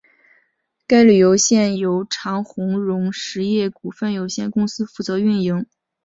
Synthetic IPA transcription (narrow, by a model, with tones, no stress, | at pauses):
ka˥ɪly˨˩jo˧˥ʊɕjɛ˥˩njo˧˥ʊʈ͡ʂʰɑ˧˥ŋxʊ˧˥ŋɻʊ˧˥ŋʂɻ̩˧˥jɛ˥˩ku˨˩fə˥˩njo˨˩ʊɕjɛ˥˧nkʊ˥ŋsɹ̩˥fu˥˩t͡sɤ˧˥y˥˩nji˧˥ŋ